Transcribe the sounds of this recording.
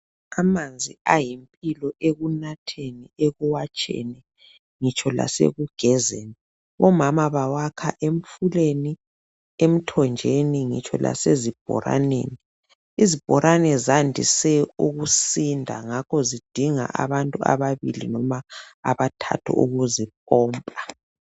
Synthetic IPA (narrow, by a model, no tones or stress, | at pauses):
amand͡zʱiajimpʼilɔʔeɣunatʰenieɣuwat͡ʃʼɛ̰nɛ | ŋit͡ʃʼʰɔla̰sḛɣuɡ̥ʱɛzeni | ɔmamaβawakʰaʔem̩fuleni | em̩tʰɔnd͡ʒʱeniŋḭt͡ʃʰʼɔ̰la̰sezib̥ʱɔ̰ɾa̰nḛːni | izib̥ʱɔɾʔanɛzandʱḭsɛuɣusindʱa̰ŋakʰɔzid̥ʱiŋa̰ʔa̰βantʼua̰βaβḭlḭnɔmaːβatʰa̰tʰɔ̰ṵɣuzipʼɔːmpʼa